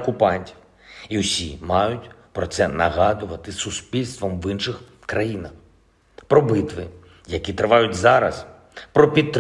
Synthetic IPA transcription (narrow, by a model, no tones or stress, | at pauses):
kʊpɑnʲtʲi̥w | iʊsʲimɑjʊtʲpɾɔt̪sɛnɐɦɑd̪ʊʋɐt̪ɪsʊspʲilʲst̪ʋɔmʋɪnʃɪx | kɾɐjinɐx | pɾɔbɪt̪ʋɪ | jɐkʲit̪ɾɪʋɑjʊtʲzɑɾɐ̰s | pɾɔpʲid̪̚t̪ːɾ